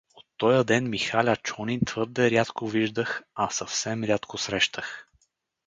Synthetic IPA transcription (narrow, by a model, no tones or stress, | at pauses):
ot̪ːɔjəd̪ɛnmixalʲat͡ʃɔnint̪vɤɾd̪ɛɾʲat̪koviʒd̪əxɐsɐfsɛmɾʲat̪kosɾɛʃt̪ʰəx